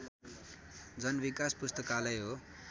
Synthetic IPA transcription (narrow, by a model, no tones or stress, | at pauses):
d͡zʌnbikaspust̪ʌkalʌjɦo